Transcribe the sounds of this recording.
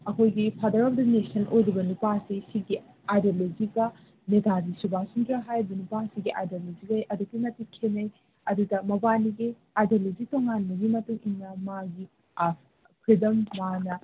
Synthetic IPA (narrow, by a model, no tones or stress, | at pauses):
ɐkʰojɡipʰadɐɾɔp̚dɐnesɐnojɾibɐnupasisiɡi | ajdolod͡ʒiɡɐ | netadisubasundɾɐɦajɾbɐnupasiɡiʔajdolod͡ʒiɡɐjʔɐduk̚tinɐtikʰenɐj | ɐdudɐmɐbaniɡi | ajdolod͡ʒitoŋanbɐɡimɐtuŋiŋnɐmaɡi | kʰɾidɐmːanɐ